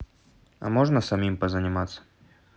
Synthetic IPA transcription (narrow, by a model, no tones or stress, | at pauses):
ɐ̰moʐnəsɐmʲimpəzənʲɪmat̪sːə̥